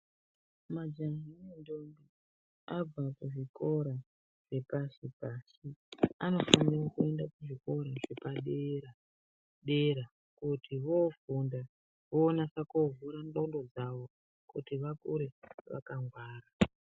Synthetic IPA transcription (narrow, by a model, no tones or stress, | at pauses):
mad͡ʒanimendombi | ab͡vakuʐiko̞ɾa | ʐ̥e̞pasipasiano̞fanirakue̞ndakuʐiko̞ɾaʐe̞paɗeɾa | ɗe̞ɾa | kutʰiʋo̞funda | ʋoːnasakovuɾanɗaundo̞d͡zaʋo̞ | kṵtiʋakṵɾe̞ʋa̰kaŋɡwaːra